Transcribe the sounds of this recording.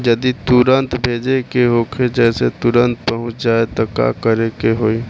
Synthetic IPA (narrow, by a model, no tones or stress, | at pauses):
d͡ʒɐd̪it̪ʊɾə̃nt̪bʱeːd͡ʒekeɦokʰed͡ʒɛːset̪ʊɾə̃nt̪̚pəɦʊ̃t͡ʃd͡ʒaːet̪oka̰kəɾekeɦoːi